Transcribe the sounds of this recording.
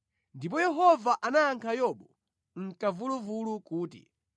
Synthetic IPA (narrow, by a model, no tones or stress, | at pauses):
ndip̬ɔjɛɦɔvaʔanaːŋkʰajɔɓɔ | ŋ̩kavuluvulukuːtḭ